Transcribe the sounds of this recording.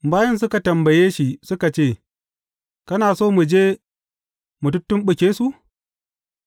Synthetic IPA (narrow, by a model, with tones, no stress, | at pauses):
baː˦jɐ˦ns̬ʊ˦ka˨tɐ˨mbɐ˨jeː˦ʃi˨sʊ˦ka˨t͡ʃeː˦˨ | kɐ˦naː˨soː˦mu˨d͡ʒeː˦ | mʊ˨tʊ˦tːʊ˦mɓʊ˨kʲeː˦su˦ʔ